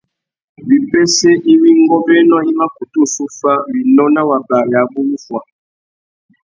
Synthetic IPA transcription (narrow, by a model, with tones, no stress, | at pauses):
wi˨pɛ˦sɛ˦ʔi˦wi˦ŋɡɔ˦bɛ˦nɔ˦i˦ma˦ku˨tu˦˨su˦fa˦wi˨nɔ˦na˦wa˨ba˨ja˨bu˦mu˦fwa˨